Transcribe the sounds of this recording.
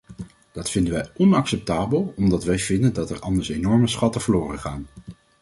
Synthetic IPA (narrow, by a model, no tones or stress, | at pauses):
d̥ɑtfɪndənʋɛjɔnɑksɛp̚taːbəlˠɔmdɑtʋɛjv̥ɪndəndɑtɛɹɑndəɹsenɔɹməsχɑtəvəɹlʊːrənχaːn